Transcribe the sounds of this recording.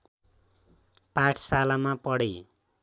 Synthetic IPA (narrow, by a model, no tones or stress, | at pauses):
pãʈʰsalamapʌɽej